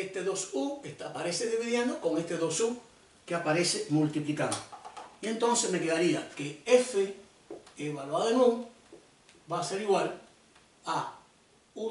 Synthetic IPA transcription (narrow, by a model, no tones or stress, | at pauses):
est̪e̞ðo̞sukest̪apaɾe̞seðeβiðjand̪oko̞ŋe̞st̪eðo̞su | keapaɾe̞se̞mult̪iplikand̪oie̞nt̪o̞nsesme̞keðaɾia̰keefe | eβalwaðoenũ | baːse̞ɾiɣwal | a | u